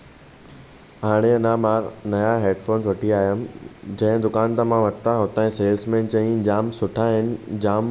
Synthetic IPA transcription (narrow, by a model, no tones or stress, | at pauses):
ɦaːɽ̃eɐnãmaːɾnɐjaɦeːɖfoːnsʋɐʈʰiaːɦjəmd͡ʑɐ̃ɦɪ̃d̪ʊkaːnt̪amãʋɐʈt̪aɦoːt̪ãẽseːlsmẽnt͡ɕɐ̃ĩd͡ʑaːmsʊʈʰaɦɪnɪ̆d͡ʑaːm